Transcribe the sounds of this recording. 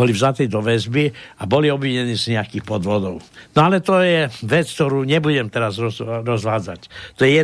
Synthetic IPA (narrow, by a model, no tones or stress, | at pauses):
ɔlivzat̪iːd̪ɔʋɛzbiabɔliɔbʋiɲɛniːzɲɛakiːxpɔd̪ʋɔd̪ɔʊnɔalɛt̪ɔjɛʋɛt͡sk̚t̪ɔɾuːɲɛbuɟɛmt̪ɛɾazɾɔzɾɔzʋaːd͡zact̪ɔjɛjɛ